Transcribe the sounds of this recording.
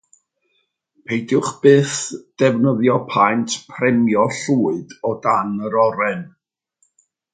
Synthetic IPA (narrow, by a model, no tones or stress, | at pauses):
pʰejdjʊχb̥ɨːθd̥ɛvnəðjɔpʰajntʰpʰrɛmjɔɬuːɨdɔdanəɾɔɾɛn